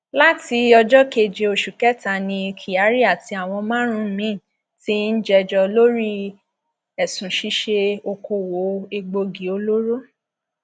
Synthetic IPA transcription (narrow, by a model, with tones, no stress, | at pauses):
la˦ti˧ɔ˧d͡ʒɔ˦ke˨d͡ʒe˧o˧ʃu˨kɛ˦ta˨nĩ˧kʰi˨a˨˦ɾi˦a˦˨ti˧˦a˨w̃ɔ̃˧mã˦ɾ̃ũ˦˨mĩ˦˨ | ti˦n̩˦d͡ʒɛ˧d͡ʒɔ˧lo˦ɾi˦ | ɛ˨sũ˨ʃi˦ʃe˧o˧ko˧wo˨˦e˧ɡ͡bo˧ɡi˨˦o˧lo˦ɾo˦